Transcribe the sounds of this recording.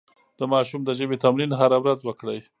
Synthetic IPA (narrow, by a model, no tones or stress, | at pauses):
d̪̥əmɑʃumd̪əʒəbet̪amlinɦaɾawɾazwəkɽəj